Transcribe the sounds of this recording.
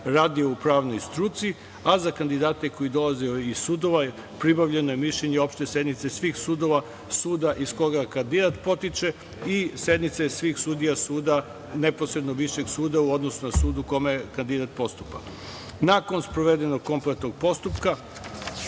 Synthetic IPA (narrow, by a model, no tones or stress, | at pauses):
ɾaːd̪ioupɾaːʋnojst̪ɾuːt̪sii | azakand̪id̪aːt̪e̞ko̞id̪o̞laziizsuːd̪o̞ʋa | pɾibaʋʎe̞nojemiʃʎeɲeo̞pʃt̪e̞se̞d̪nit̪sesʋixsuːd̪o̞ʋa | suːd̪aʔisko̞ɡakand̪id̪at̪po̞t̪it͡ʃe̞ | ise̞d̪nit̪sesʋiːxsuːd̪ijasuːd̪a | neposɾed̪no̞ʋiʃeɡsuːd̪auo̞d̪no̞sunasuːd̪uko̞mekand̪id̪at̪̚po̞st̪upa̰ | naːko̞nspɾoʋed̪eno̞ɡ̚ko̞mplet̪no̞ɡ̚po̞st̪upka